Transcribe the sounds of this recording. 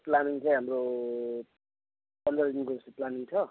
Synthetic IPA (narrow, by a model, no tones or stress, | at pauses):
planiŋt͡sʌ̃j̃ɦamro | pʌnd̪rʌd̪inkod͡zʌseplaniŋt͡sʰʌ